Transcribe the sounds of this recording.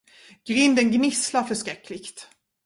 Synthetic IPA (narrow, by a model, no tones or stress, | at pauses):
ɡ̥ɾʏnd̪ənɡnɪslaɾfœʂkɾɛkːlɪɡt̪